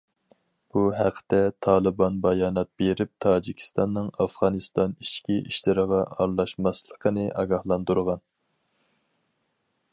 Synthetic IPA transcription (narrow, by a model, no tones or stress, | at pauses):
b̥uɦæqʰə̥t̪ɛt̪ʰɑːlˠɨbɑnbɑjɑːnɑt̪̚b̥eɾɪp̚t̪ʰɑːd͡ʒikʲʰi̥st̪ɑnːɨŋɑfʁɑnɨst̪ɑniʃkʲiʔiʃlɪɾəʁɑʔɑɾlˠɑʃmɑslˠəqʰənɨʔɑɡɑhlˠɑnd̪uɾʁɑn